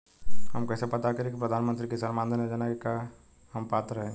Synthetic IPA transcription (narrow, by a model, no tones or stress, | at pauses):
həmkɛːsepɐt̪akɐɾẽkipɾɐd̪ʱanmə̃nt̪ɾikesɐnmãːnd̪ʱned͡ʒanaka | həmpaːt̪ɾəɦẽɡ